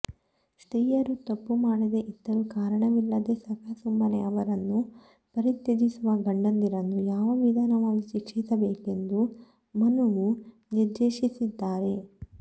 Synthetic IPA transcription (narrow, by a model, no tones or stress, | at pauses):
sʈɾiːjɐɾut̪ɐpːumaːɽid̪e̞ʔit̪ːɐɾukaːɾɐɳɐʋilːɐd̪e̞sɐkʰɐɐsumbɐneɐʋɐɾɐnːu | pɐɾit̪jed͡ʒisuʋɐɡɐɳɖɐnd̪iɾɐnːujaːʋɐʋid̪ʱaːnɐʋaːɡit͡ʃikt͡ʃisɐbeːke̞nd̪u | mɐnuʋu | niɾd̪eːʃisid̪ːaːɾe̞